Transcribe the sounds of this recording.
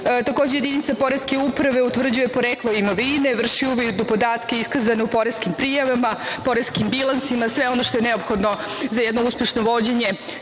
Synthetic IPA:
t̪ako̞d͡ʑeje̞d̪init̪sapo̞ɾeske̞upɾaʋe̞ut̪ʋr̩d͡ʑuje̞po̞ɾeklˠoimoʋine̞ʋr̩ʃiuʋid̪ud̪d̪opo̞d̪aːt̪keiskazaneupo̞ɾeskimpɾiːjaʋamapo̞ɾeskimbilˠansimasʋeo̞noʃt̪o̞jeneopxo̞d̪nozajɛd̪no̞uspʲjeʃno̞ʋo̞d͡ʑeɲe̞

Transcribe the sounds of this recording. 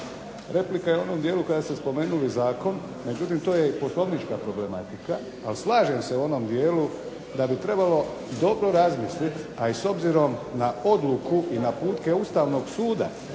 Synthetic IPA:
ɾe̞plikajeuo̞no̞md̪jeːlukad̪asespo̞me̞ːnulizaːko̞n | me̞d͡ʑut̪imt̪o̞jepo̞slˠo̞ʋnit͡ʃkapɾo̞ble̞mat̪ikaː | lislaːʒe̞mse̞uo̞no̞md̪je̞ːlu | d̪abit̪ɾe̞balo̞ | d̪o̞bɾo̞ɾazmislit̪aiso̞bziɾo̞mnao̞d̪lukuʔinapuːt̪ke̞ust̪aːʋno̞ɡsuːd̪a̰

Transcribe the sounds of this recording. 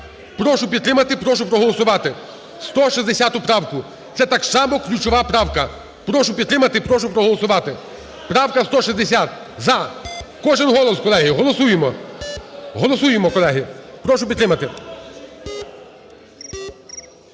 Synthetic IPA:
pɾɔʃʊpʲid̪t̪ɾɪmɐt̪ɪpɾɔʃ̬ʊpɾɔɦɔlˠɔsʊʋɑt̪ɪ | st̪ɔʃizd̪esʲat̪ʊpɾɑwkʊ | t̪sɛt̪ɐksɑmɔklʲut͡ʃɔʋɑpɾɑwkɐ | pɾɔʃʊpʲid̪t̪ɾɪmɐt̪ɪpɾɔʃʊpɾɔɦɔlˠɔsʊʋɑt̪ɪ | pɾɑwkɐst̪ɔʃizd̪esʲat̪ | zɐkɔʒɪnɦɔlˠɔskɔlˠɛɦɪɦɔlˠɔsujemɔ | ɦɔlˠɔsujemɔkɔlˠɛɦɪpɾɔʃʊpʲid̪ɾɪmɐt̪ɪ

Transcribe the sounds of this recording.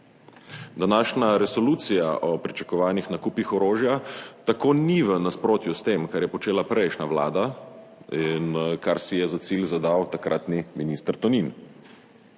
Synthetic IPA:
d̪anaːʃnaɾɛsɔluːt̪sijaʔɔpɾit͡ʃḁkɔʋaːnixnakupixɔɾoːʒjat̪akoːniʋənaspɾoːt̪just̪emkaɾjɛpɔt͡ʃeːlapəɾɛjʃnaʋla̰ːd̪a | inkaɾsijɛzat̪silzad̪awt̪akɾʔaːt̪niminist̪əɾt̪ɔnin

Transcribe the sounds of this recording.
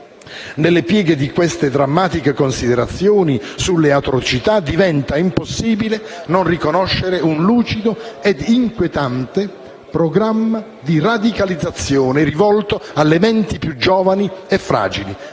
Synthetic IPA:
nelːepjɛːɡed̪ikwest̪ed̪ɾamːaːt̪ikekonsid̪eɾat̪sːjoːnisulːeat̪ɾot͡ʃit̪ad̪ivɛnt̪aimposːiːbilenonrikonɔʃːeɾeunluːt͡ʃid̪oɛd̪iŋkwet̪ant̪e | pɾoɡɾamːa | d̪irad̪ikalid̪zat̪sːjoːnerivɔlt̪oalːemɛnt̪ipjud͡ʒːɔːvaniefːɾa̰ːd͡ʒili

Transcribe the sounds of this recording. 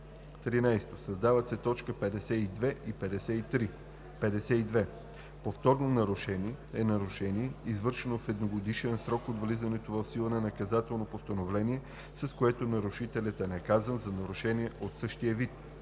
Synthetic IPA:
t̪ɾinajst̪osɐzd̪avət̪sɛt̪ɔt͡ʃkəpɛd̪ɛsɛid̪vɛʔipɛd̪ɛsɛit̪ɾi | pɛd̪ɛsɛid̪vɛ | poft̪ɔɾnonɐɾuʃɛniɛɛnɐɾuʃɛniɛizvɤɾʃɛnofɛd̪noɡod̪iʃɛnsɾɔkod̪vlizɐnɛt̪ovɐfsilˠənɐnɐkɐzat̪ɛlˠnopost̪ɐnovlɛniɛ | sɐskoɛt̪onɐɾuʃit̪ɛlʲət̪ɛnɛkazənzɐnɐɾuʃɛniɛʔot̪sɤʃt̪ijəvit̪̚

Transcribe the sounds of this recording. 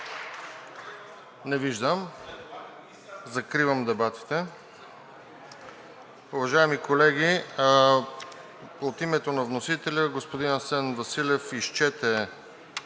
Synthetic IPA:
nɛviʒd̪əm | zɐkɾivəmd̪ɛbat̪i̥t̪ɛ | uvɐʒaɛmikolɛɡʲi | ot̪imɛt̪onɐvnosit̪ɛlʲəɡospod̪inɐsɛnvɐsilʲɛfiʃt͡ʃɛt̪ɛ

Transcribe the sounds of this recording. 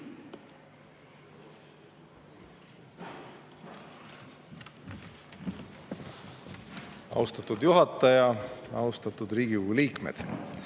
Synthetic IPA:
ɑ̰wst̪ɑt̪ud̪juɦɑt̪ːˑɑjɑjɑ̰wst̪ɑt̪ːˑud̪ɾiːɡ̥iuɡuliːkmḛd̪̥

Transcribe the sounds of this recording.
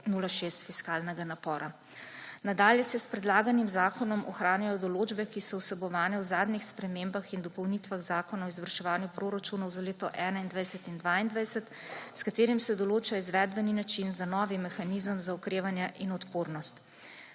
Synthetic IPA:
nulaʃeːst̪fiskaːlnɛɡanapɔːɾʔa | nad̪aːljɛsɛspɾɛd̪laːɡanimzaːkɔnɔmʔɔ̰xɾaːnjajɔd̪ɔloːd͡ʒbɛkisɔwsɛbɔʋaːnɛwzaːd̪nixspɾɛmeːmbaxind̪ɔpɔwnit̪ʋaɣzaːkɔnaɔizʋəɾʃɛʋaːnjupɾoːɾat͡ʃunɔwzaleːt̪ɔʔɛːnaind̪ʋajsɛt̪ind̪ʋaːind̪ʋajsɛt̪ | skat̪eːɾimsɛd̪ɔloːt͡ʃaɔizʋɛd̪bɛninat͡ʃinzanɔʋimɛxaniːzəmzaɔkɾeːʋanjɛʔinɔt̪poːɾnɔst̪

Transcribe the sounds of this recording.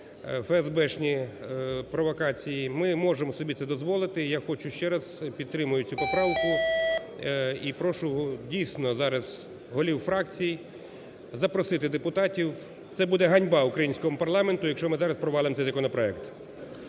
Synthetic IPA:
fɛɛzbɛʃnʲi | pɾɔʋɔkɑt͡sʲijimɪmɔʒemɔsɔbʲit̪sɛd̪ɔzʋɔlˠɪt̪ɪjaxɔt͡ʃʊʃt͡ʃɛɾɐzpʲid̪̚t̪ɾɪmʊjʊt͡sʲʊpɔpɾɑwkʊ | ipɾɔʃʊɔdʲijsnɔzɑɾɐz | ɦɔlʲiwfɾɑk̚t͡sʲij | zɐpɾɔsɪt̪ɪd̪epʊt̪ɑtʲiw | t̪sɛbud̪ɛɦɐnʲbɑʊkɾɐjinʲsʲkɔmʊpɐrlˠɑment̪ʊjɐkʃt͡ʃɔmɪzɑɾɐspɾɔʋɑlˠɪmt̪ɛjzɐkɔnɔpɾɔɛkt̪

